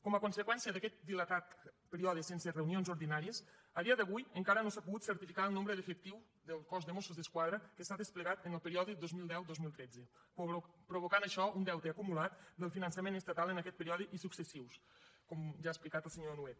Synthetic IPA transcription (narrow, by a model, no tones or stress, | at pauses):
kɔməkunsəkwɛnsijəðəkɛt̪̚d̪ilət̪at̪pəɾiɔðisensərewnionzoɾðinaɾiəsaɾiaðəβujəŋkaɾənosapuɣut̪səɾt̪ifikaəlˠnombɾəðəfək̚t̪iw | ðəlˠkɔzðəmosuzðəskwaðɾəkəsaðəspləɣat̪ənəlˠpəɾiɔðid̪ozmilˠd̪ɛwd̪ozmilˠt̪ɾɛd͡zə | pɾoβ̞okanəʃɔund̪ɛwt̪əːkumulat̪d̪əlˠfinənsəmenəst̪at̪alˠənəkɛt̪pəɾiɔðiʔisuksəsiws | kɔmʒaːesplikat̪əlˠseɲonuet̪̚